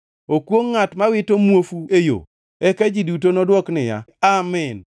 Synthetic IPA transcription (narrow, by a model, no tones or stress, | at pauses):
okwoŋːatmawɪtomwofuejo̰ | ɛkad͡ʒidutonɔdwɔknɪja̰amɛn